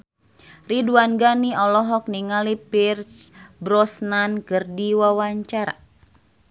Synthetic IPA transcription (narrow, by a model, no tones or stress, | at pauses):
riduanɡaniɔlɔɦɔk̚niŋalipirsbɾɔsnankɨrdiwawaɲt͡ʃaɾa̰